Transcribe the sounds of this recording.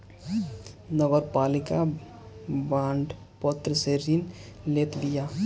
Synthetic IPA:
nəɡəɾpalika | bãɳɖ | pət̪ɾəseɾinlet̪bija

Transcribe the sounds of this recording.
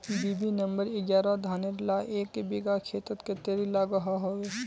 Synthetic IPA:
biːbinəmbəɾɪɡjaːɾad̪ʱaːneɾlaʔeːkbiːɡakʰeːt̪ət̪ket̪eɾilaɡəɦaɦoe

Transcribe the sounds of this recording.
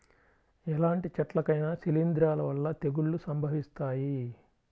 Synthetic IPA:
ɛlaːɳʈit͡ʃɐʈlɐkɐjnɐsilind̪ɾaːlɐʋɐlːɐt̪eɡuɭːusɐmbʱɐʋist̪aːji

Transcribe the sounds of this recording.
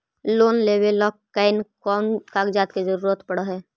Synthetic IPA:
loːnleːbelɔkkaɪnkɔːnkaːɡd͡ʒaːt̪ked͡ʒəɾuːɾət̪pəɽəɦɛː

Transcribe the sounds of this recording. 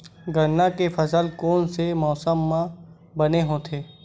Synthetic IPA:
ɡʱənːakefɐsəlkoːnsemɔːsəmːã | bɐneɦot̪ʰeː

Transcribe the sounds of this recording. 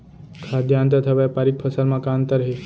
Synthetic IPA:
kʰad̪jãːnt̪ət̪ʰəʋajpaɾik̚pʰəsəɾmãkant̪əɾɦe

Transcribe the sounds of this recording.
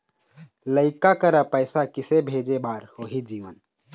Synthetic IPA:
ləɪkakəɾapəɪsakɪsebʱeːd͡ʒebaːɾhoːɦid͡ʒiːʋən

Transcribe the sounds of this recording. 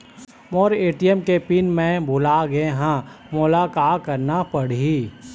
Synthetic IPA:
mɔːɾeːʈijəmkepinmɛ̃bʱolaɡeɦã | mʊlakakəɾnapəɽiː

